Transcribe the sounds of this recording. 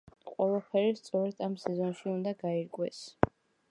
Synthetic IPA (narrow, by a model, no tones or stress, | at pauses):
qʼwɛlapʰɛɾist̪sʼɔɾɛd̪ʰamsɛzɔnʃiund̪aɡaiɾɡʼwɛs